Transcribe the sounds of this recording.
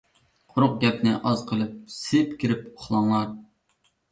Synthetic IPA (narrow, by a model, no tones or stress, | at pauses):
qʰʊɾʊq̚ɡʲɛpnɪʔɑzqʰəlˠɨp̚sɪpkʲʰiɾɪpoχlˠɑŋlˠɑɾ